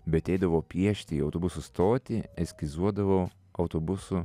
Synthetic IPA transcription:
bʲɛɐt̪ʲɛɪd̪ɐʋoːpʲiɛʃʲt̪ʲɪiːɐʊt̪oːbʊsust̪oːt̪ʲɪɛsʲkʲɪzuɔd̪ɐʋoː | ɒʊt̪oːbʊsʊ

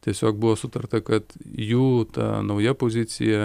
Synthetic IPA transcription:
t̪ʲiɛsʲoːk̚bʊʋoːsʊt̪ɐrt̪ɐkɐt̪juːt̪ɐ̰ːnɐʊjɛpoːzʲɪt̪sʲɪ̰jɛ

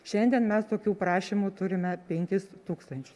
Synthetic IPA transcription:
ʃʲɛnʲd̪ʲiɛnmʲɛst̪oːkʲuːpɾɑːʃʲimuːt̪ʊɾʲɪmʲɛpʲɛŋʲkʲɪst̪uːkst̪ɐnʲt͡ʃʲʊ̥s

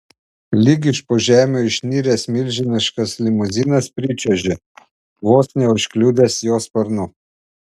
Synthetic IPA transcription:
lʲɪɡʲɪʃpoːʒʲæːmʲoːɪʃʲnʲiːɾʲeːsmʲɪlʲʒʲɪnʲɪʃkɐslʲɪmʊzʲinɐspʲɾʲɪt͡ʃʲɛʒʲɪ | ʋoːsnʲɛʊʃʲkʲlʲuːd̪ʲesjoːspɐɾnʊ

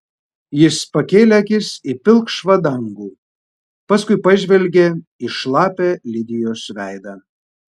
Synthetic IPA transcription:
jɪspɐkʲeːlʲɛkʲɪsipʲɪlˠkʃʋɐd̪ɐŋɡuː | pɐskʊɪpɐʒʲʋʲɛlʲɡʲe | ɪʃlˠɑːpʲeːlʲɪd̪ʲɪjoːsʋʲæˑɪd̪ɑ

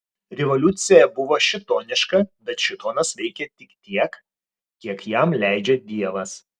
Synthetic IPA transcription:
ɾʲɛʋɔlʲʊt̪sʲɪjɛbʊʋoːʃʲɪt̪oːnʲɪʃkɐbʲɛt̪ʃʲɪt̪oːnɐsʋʲɛɪkʲɛt̪ʲɪkt̪ʲiɛk | kʲiɛkjɛmlʲæɪd͡ʒʲɛd̪ʲiɛʋɐs

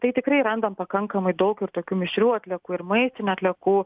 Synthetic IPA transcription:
t̪ɐɪt̪ʲɪkɾɐɪɾɐnd̪ɐmpɐkɐŋkɐmɐɪd̪ɐʊkʲɪɾt̪oːkʲuːmʲɪʃʲɾʲuːɐt̪ʲlʲɛkuːɪɾmɐɪst̪ʲɪnʲuɐt̪ʲlʲɛkuː

